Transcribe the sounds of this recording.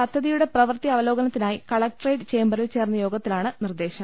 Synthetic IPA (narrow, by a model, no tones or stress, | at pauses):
ɐt̪ʰːɐðijuɽe̞prɐʋrt̪iɐʋɐlo̞ːɡɐnɐt̪ːinaːjikɐɭɐk̚ʈrejɖt͡ɕe̞ːmbɐrilt͡ɕe̞ːrnːɐjo̞ːɡɐt̪ːilaːɳɨnird̪e̞ːɕɐm